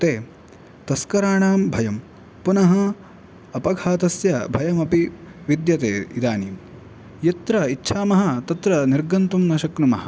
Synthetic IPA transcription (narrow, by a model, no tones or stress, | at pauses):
t̪eː | t̪ɐskɐɾaːɳaːmbʱɐjɐm | punɐɦɐ | ɐpɐɡʱaːt̪ɐsjɐbʱɐjɐmɐpiʋid̪jɐt̪eːid̪aːnim | jɐt̪ɾɐitːʃʰaːmɐɦɐ̆t̪ɐt̪ɾɐniɾɡɐnt̪umnɐʃɐknumɐɦɐ̥̆